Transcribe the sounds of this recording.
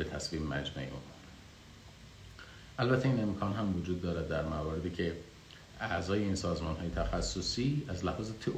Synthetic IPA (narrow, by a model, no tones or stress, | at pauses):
bet̪ʰæsviːmmæ̰d͡ʒmæ̰ʔeṵmon | ʔælbæt̪ʰːeiːne̞mkʰɒːnɦæmvod͡ʒuːd̪̚ːɒːɾæd̪ːæɾmævɒːɾe̞d̪icʰe̞ | ʔæʔzɒːje̞iːnsɒːzmɒːnɦɒːje̞t̪ʰæxæsːosiːæzlæhɒːzet̪ʰeʔ